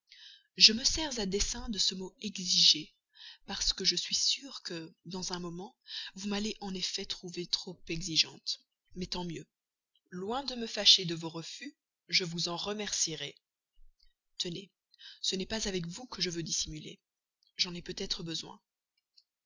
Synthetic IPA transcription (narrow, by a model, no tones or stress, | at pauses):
ʒəməsɛʁzad̪esɛ̃d̪əsəmoɛɡziʒe | paʁsə̥kəʒəsɥisyʁkəd̪ɑ̃zɛ̃mɔmɑ̃vumaleʔɑ̃nefɛt̪χuvet̪χopɛɡziʒɑ̃t̪ | mɛt̪ɑ̃mjø | lwɛ̃d̪əməfaʃed̪əvoʁəfy | ʒəvuzɑ̃ʁəmɛʁsiʁɛ | t̪əne | sənɛpazavɛkvukəʒəvød̪isimylḛ | ʒɑ̃nɛpøt̪ɛt̪χəbəzwɛ̰̃